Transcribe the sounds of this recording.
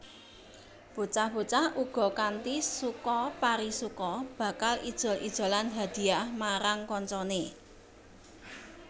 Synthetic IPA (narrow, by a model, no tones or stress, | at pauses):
b̥o̤t͡ʃahb̥o̤t͡ʃahʔuɡ̥ɔ̤kant̪isukɔpaɾisukɔb̥ä̤kalḭd̥ʒ̥ɔ̤lḭd̥ʒ̥o̤lanɦad̪̥i̤ahmaɾaŋkɔɲt͡ʃɔne